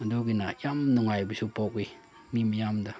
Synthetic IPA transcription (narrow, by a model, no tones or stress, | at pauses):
duɡinajamnuŋajbəsupɔki | niməjamda